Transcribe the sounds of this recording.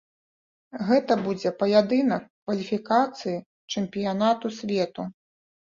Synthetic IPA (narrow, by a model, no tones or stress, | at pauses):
ɣɛt̪ɐbud͡zʲɛpɐjad̪ɨnɐkːvɐlʲifʲikat̪sɨji | t͡ʂɛmpʲijanat̪usʲvʲɛt̪u